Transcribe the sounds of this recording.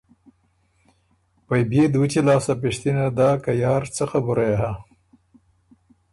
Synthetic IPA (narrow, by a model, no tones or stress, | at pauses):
pajbed̪wut͡ʃilɑːsap̬ɪʃt̪inad̪ɑːkajɑːɾt͡səxabuɾajaɦa